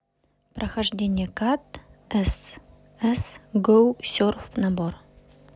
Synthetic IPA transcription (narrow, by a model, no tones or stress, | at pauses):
prɐxɐʐdʲenʲɪjɛkat̪ɛs | ɛsɡowsʲorfnɐbor